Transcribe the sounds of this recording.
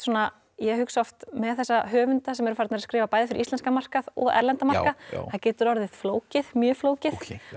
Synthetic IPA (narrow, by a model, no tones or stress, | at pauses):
sɔna | jɛɦʏksɔft̪mɛðθɛsːaɦœːvʏnt̪asɛmɛɾʏfaɾɪt̪naɾskɾɪːvapaːjðɪfɪɾist̪ɛnskamar̥kaðɔ̰ɣɛ̰ɾlɛnt̪amḁka̰θacɛːt̪ʏɾɔɾðɪðfloːwcɪðmjœːfloːwcɪθ